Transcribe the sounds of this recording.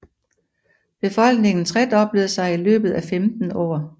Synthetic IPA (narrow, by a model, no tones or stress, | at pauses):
b̥e̝fɒ̽l̰ɡ̥ne̝ŋn̩t͡sʰʁɛd̥ɒ̽b̥leðˠsɑ̈ɪilø̰ːb̥ð̞̩ˠæfemd̥n̩ɒ̰ː